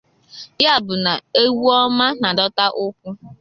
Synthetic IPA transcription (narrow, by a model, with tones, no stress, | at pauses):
ja˦˨bʊ˨na˨e˦wu˦ɔ˦ma˦na˨dɔ˦ta˦ʔʊ˦kʷʊ˦